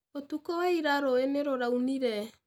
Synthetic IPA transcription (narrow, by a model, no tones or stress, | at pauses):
otukɔwaiɾaɾɔeneɾoɾauniɾɛ